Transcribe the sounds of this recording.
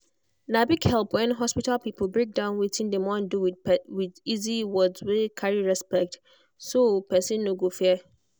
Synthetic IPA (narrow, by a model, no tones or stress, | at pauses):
nãbiɡhɛlˠpwɛ̃nɦɔspitalpipʰl̩ˠbɹek̚dãʊ̃nwitʰɪ̃ndɛ̃mɔ̃nduwwɪdiziwɔdzwekʰaɹiɹɛspɛk̚t | sopʰɛsĩnːõɡofɛ